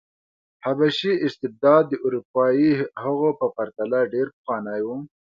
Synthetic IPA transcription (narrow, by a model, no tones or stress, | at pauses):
habaʃiʔɪst̪ɪb̚d̪ɑːd̪ːəʔuɾupɑjihəɣopəpaɾt̪alaɖeɾpxɑnajwu